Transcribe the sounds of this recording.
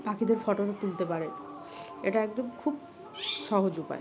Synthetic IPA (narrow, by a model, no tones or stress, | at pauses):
pakʰid̪eɾfɔʈonet̪ult̪epaɾe | ḛʈaɛk̚d̪omkʰub̚ | ʃɔɦod͡ʑopa̰e